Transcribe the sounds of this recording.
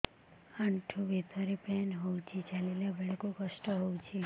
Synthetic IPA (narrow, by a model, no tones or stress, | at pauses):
aɳʈʰubʱit̪ɔɾipenɦowt͡ʃʰit͡ʃalilebeɭɔkukɔsʈɔɦowt͡ʃʰi